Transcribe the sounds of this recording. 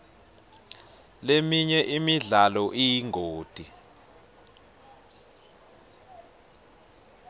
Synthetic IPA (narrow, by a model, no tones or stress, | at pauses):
lemiɲɛʔimiɮalɔʔijiŋʱoːd̥ʱi